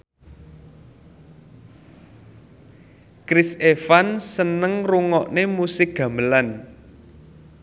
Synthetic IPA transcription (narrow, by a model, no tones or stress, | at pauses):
kɾisefansənəŋruŋɔʔnemusɪk̚ɡ̥ä̤mbəlan